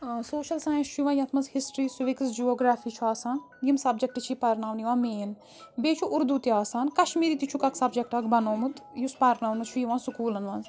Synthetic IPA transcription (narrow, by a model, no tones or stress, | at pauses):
soːʃɐlsaːjɐ̃nsʃʰuʋãːjɐt̪ʰmɐnzhisʈɾiːsuʋiksd͡ʒioːɡɾaːfiːt͡ʃʰuaːsaːn | jimsɐb̚d͡ʒɐk̚ʈɨt͡ʃʰipɐɾnaːʋnjiʋãːmeːn | beːt͡ʃʰuʔʊɾd̪ut̪iaːsaːnkɐʃmiːɾiːt̪it͡ʃʰukɐksɐbd͡ʒek̚ʈɐkbɐnoːmut̪juspɐɾnaːwnɐt͡ʃʰujiʋãːnsukuːlɐnʋɐ̃nz